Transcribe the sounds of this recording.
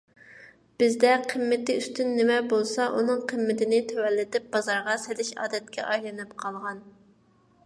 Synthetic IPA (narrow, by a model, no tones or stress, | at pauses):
b̥ɪzd̪ɛqʰəmːɪt̪ɪyst̪ynːɪmɛbolˠsɑʔunɨŋqʰəmːɪt̪ɪnɪt̪ʰøwɛlːɪt̪ɪp̚b̥ɑzɑɾʁɑselɪʃɑ̰ːd̪ɛt̪̚kʲɛ̰ʔɑjlˠɨnɪpqʰɑlˠʁɑn